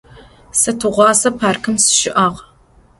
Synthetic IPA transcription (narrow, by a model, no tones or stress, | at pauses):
sɐtʰɨʁʷɑːsɐpʰaːrkʰɨmsɨ̥ʃɪʔaːʁ